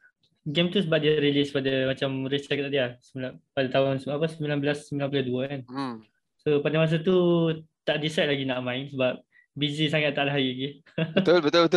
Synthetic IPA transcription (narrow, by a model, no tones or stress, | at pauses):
ɡɛmt̪usəbap̚diaɾilispadamat͡ʃamrisɛk̚t̪aʔdiasəilapadat̪aɦʊnsəapəsəmbilanbəlasːəmbilanpləduəkan | sopadamas̬at̪ut̪aʔdisɛʔ̪̚laɡinaʔmãɪnsəbap̚ | bizisaŋat̪ːaʔlaɦajiɡi | t̪olbət̪ʊlbət̪